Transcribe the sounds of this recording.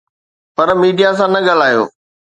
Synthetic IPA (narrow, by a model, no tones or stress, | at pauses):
pɐɾmiːɖijasãnɐɠɐl̤aːjo̰ː